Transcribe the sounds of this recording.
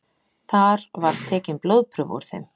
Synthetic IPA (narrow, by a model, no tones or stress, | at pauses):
θaɾvaɾ̥t̪ʰɛːcɪmploːwðpʰɾʏvṵɾ̥θḛm